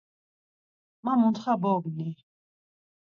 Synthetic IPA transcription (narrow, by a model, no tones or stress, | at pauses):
mamunt̪χabɔɡni